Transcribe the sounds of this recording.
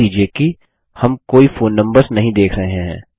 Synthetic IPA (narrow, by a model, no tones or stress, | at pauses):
iːd͡ʒieki | hɐmkoːifoːnːɐ̃mbəɾsnɐɦĩd̪eːkʰɾɐɦeɦɦɛ̰̃ː